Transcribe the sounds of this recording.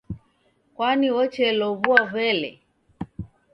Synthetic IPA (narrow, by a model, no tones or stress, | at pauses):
kwaniwɔt͡ʃɛlɔβuɔvɛlɛ̰